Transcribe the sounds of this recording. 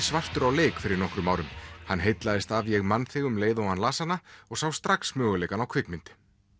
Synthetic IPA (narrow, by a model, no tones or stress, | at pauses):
svar̥t̪ʏɾawleːkfɪɾɪɾnɔhkɾʏmaːwɾʏmhanːɦejt̪laðɪst̪avjɛɣmanθɪːɣʏmleːjðoanlaːsanːaɔɣsawst̪ɾaksmœːɣʏleːjkanawkʰvɪknmɪnt̪ɪ̥